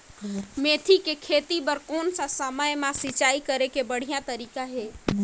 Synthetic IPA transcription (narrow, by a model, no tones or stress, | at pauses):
meːt̪ʰikekʰeːt̪ipəɾkɔːnsasəməjmãsɪt͡ʃaːikəɾekebəɽ̤ijãt̪əɾiːkaɦɛː